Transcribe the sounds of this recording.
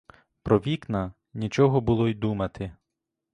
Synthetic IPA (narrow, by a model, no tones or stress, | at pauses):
pɾɔʋʲiknɐ | nʲit͡ʃɔɦɔbʊlˠɔjd̪umɐt̪ʰɪ